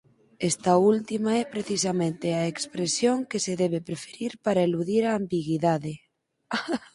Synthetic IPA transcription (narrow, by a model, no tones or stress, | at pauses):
est̪ault̪imaɛpɾeθisamẽnt̪eaekspɾesjoŋkeseðɛβepɾefeɾiɾpaɾaeluðiɾaːmbiɣiðaðe